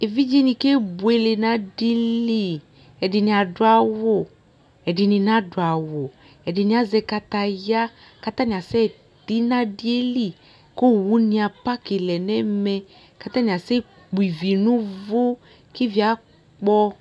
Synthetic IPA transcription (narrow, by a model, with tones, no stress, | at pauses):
e˨vi˦d͡ʒi˦nĩ˧ke˦bu˨e˦le˧na˦di˦li˦˨ | ɛ˨di˧nĩ˧a˧dʊ˧˦a˨wo˨ | ɛ˨di˧nĩ˧nã˦dʊ˨a˨wo˨ | ɛ˨di˧nĩ˧˦a˦zɛ˧ka˦t̪a˧ja˦ | ka˦t̪a˦nĩ˨a˨sɛ˦˨ | t̪i˨˦na˦di˦e˦li˦˨ | ko˦wu˦nĩ˧a˧pa˦ke˨lɛ˨nɛ˦mɛ˧ | ka˦t̪a˦nĩ˧˨a˨sɛ˦ | k͡pu˨i˨vi˨nũ˦vo˦ | ki˦vi˦a˨˦ | k͡pɔ˧